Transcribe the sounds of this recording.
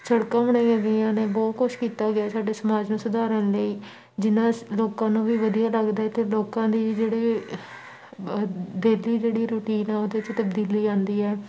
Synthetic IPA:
səɽkãːbəɽãːãːɡəãːneːbɔːt̪kʊʃkiːt̪aːɡɪaːsaːɖeːsəmaːd͡ʒnũːsʊd̪aːɾənləiː | d͡ʒɪnãːloːkãːnũːʋiːʋəd̪ijaːləɡd̪aːɛːt̪eːloːkãːd̪iːd͡ʒeːɽeː | d̪eːliːd͡ʒeːɽiːɾʊʈiːnɛːoːd̪et͡ʃt̪əbd̪iːliːãːnd̪iːɛː

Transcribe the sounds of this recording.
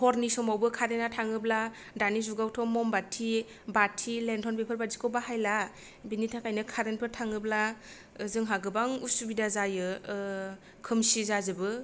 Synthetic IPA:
hɔɾnisɔmawbɯkʰaɾenatʰaŋɯbla | danizuɡawtʰɔmːɔmbatʰi | batʰilentʰɔnbepʰɯlbazikʰɔbaɦajla | binitʰakajnɯkʰaɾenpʰɯtʰaŋɯbla | zɯŋɦaɡɯbaŋusubidazajɯ | kʰɯmsizazɯbɯ

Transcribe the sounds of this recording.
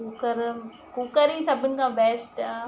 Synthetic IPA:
uːkəɾ | kuːkəɾĩsɐbʱɪnɪ̆kʰãːbɛːsʈ

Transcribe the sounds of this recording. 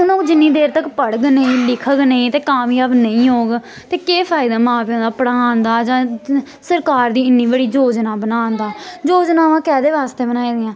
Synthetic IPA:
ʊnõːkd͡ʒɪnːiːd̪eːɾt̪əkpəɽɡnəĩːlɪkʰəɡnəĩːt̪eːkaːmjaːbnəĩːɦoːɡ | t̪eːkeːpʰaːɪd̪aːmãːpiõːd̪aːpəɽaːnd̪aːd͡ʒãː | səɾkaːɾd̪iːɪnːiːbəɽiːd͡ʒoːd͡ʒnaːbənãːnd̪aːd͡ʒoːd͡ʒnaːʋãːkɛːd̪eːʋaːst̪eːbənaːiːd̪jãː

